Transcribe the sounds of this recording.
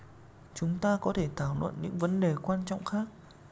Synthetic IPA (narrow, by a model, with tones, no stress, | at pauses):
t͡ɕʊ˨˦ŋ͡mt̪aː˧kɔ˨˦t̪ʰe˧˩t̪ʰaː˧˩wlwə̰˧˨nɲɨ̰˧˥ŋvə˨˦nɗe˨˩kwaː˧nt͡ɕɔ̰˧˨wŋ͡mxaː˦˥k̚